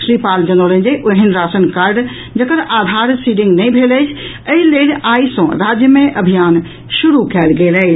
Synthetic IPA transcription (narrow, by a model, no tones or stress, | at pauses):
ʃɾipald͡ʒənolə̃nd͡ʒeʔoɦinɾasənkaɾɖ | d͡ʒəkəɾad̪ʱaɾsiɖiŋɡnəjbʱeləjt͡ʃʰ | əilelaisə̃ɾad͡ʒjəmeʔəbʱijan | ʃuɾukɛlɡelɛ